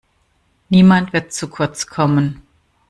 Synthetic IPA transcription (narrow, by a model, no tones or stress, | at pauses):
niːmantv̥ɪɐtt͡sukʰʊɐt͡skʰɔmən